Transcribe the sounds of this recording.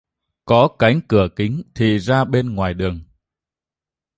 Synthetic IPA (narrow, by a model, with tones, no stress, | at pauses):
kɔ˨˦ka˨˦jŋ̟kɨ˧˩əkï˨˦ŋ̟t̪ʰḭ˨zaː˧ɓe˧nŋwaː˨˩jɗɨ˨˩əŋ